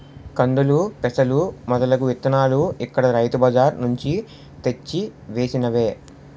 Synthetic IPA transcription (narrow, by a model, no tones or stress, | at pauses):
kɐɳɖulupɛsɐlumɐd̪ɐlɐkuʋet̪ːɐnaːluikːɐɽɐɾɐjt̪ubɐd͡ʒaːɾnuɲt͡ʃi | t̪et͡ʃːiʋeːsinɐʋe̞ː